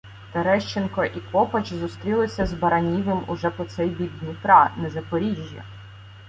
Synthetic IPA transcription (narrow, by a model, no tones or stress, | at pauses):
t̪ɔɾɛʃt͡ʃenkɔʔikɔpɐt͡ʃzʊst̪ɾʲilˠɪsʲɐzbɐɾɐnʲiʋɪmʊ̰ʒɛpɔt̪sɛjbʲiɡnʲip̪ɾɑnɛzɐpɔɾʲiʒʲjɐ̰